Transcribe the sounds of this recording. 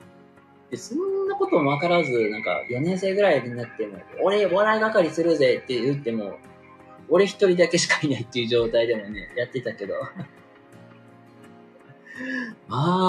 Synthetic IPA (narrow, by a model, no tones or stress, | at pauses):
d̪̥e̞sõ̞nːako̞t̪o̞moβakaɾazɨnãŋka̰jonẽ̞ɰse̞ːɡɯ̟ɾaioɾɲinat̪ːe̞mo̞̰ːɾe̞oaɾaiɡakaɾʲisɨɾɯ̟ze̞t̪ːe̞jɯ̟t̪ːe̞mo̞ː | ɾe̞çi̥t̪o̞ɾʲid̪ake̞ɕ̬i̥kainait̪ːejɯ̟ʑo̞ːt̪aid̪e̞mo̞ne̞̰jat̪ːe̞t̪ake̞d̪o̞̰ | aː